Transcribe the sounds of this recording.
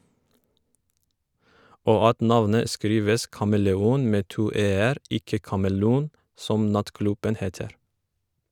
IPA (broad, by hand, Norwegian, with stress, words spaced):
ˈoː ˈɑt ˈnɑʋnə ˈskɾiːʋəs kɑməlɛˈuːn ˈmeː ˈtuː ˈeːəɾ ˈɪkə kɑməˈluːn ˈsɔm ˈnɑtˌklʉbən ˈheːtəɾ